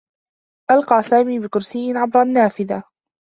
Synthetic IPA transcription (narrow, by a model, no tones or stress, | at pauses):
ʔalqɑːsaːmiːbɪkʊɾsɪjːɪʕabɾˤʔanːaːfɪða